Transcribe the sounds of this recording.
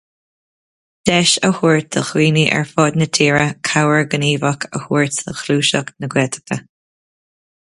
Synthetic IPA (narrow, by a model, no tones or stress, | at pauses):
d̥ɛʃəhuːɹt̪ə̰xwiːniʔɛ̰ɹfɔːd̪nət̪ʰiːɹəkʰawəɹɡəniːvəkʰə̰huːɹtəxluːʃɔknəɡwɛt̪ʰə̥kʰə